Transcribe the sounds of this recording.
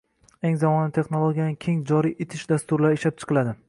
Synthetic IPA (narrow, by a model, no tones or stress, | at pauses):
e̞ŋzamɒnɪt̪ʰe̞χnolˠoɡʲjanɪkʲʰe̞ŋd͡ʒɒɾiʔet̪ʰɪʃd̪ast̪ʊɾlaɾɪʃlap̚t͡ʃʰɨ̥qʰɨlad̪ɪ